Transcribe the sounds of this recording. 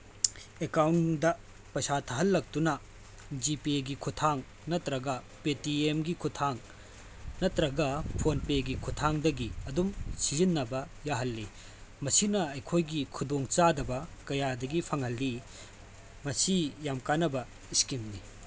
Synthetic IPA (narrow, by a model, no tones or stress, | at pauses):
ekawndɐ | pɐsat̪ʰɐɦɐlːɐk̚tunɐ | d͡ʒipieɡikʰut̪ʰaŋ | nɐt̪ɾɐɡɐ | petiemɡikʰut̪ʰaŋ | nɐt̪ɾɐɡɐpʰonpeɡikʰut̪ʰaŋdɐɡiɐdumsiɾinːɐbɐ | jaɦɐlːi | mɐsinɐɐjkʰojɡikʰud̪oŋt͡ʃadɐbɐkɐjadɐɡipʰɐŋhɐlːi | mɐsijamkanɐbɐ | iskimni